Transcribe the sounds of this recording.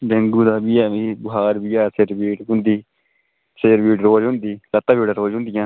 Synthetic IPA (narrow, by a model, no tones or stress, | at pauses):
bẽŋɡũːd̪aːbiːaːiːbʊɦaːɾbiːjaːseɾbiːʈɦʊ̃nd̪iː | seːɾbiːʈɾoːd͡ʒɦʊ̃nd̪iːlət̪ːaːbiːʈaːɾoːd͡ʒɦʊ̃nd̪ɪjãː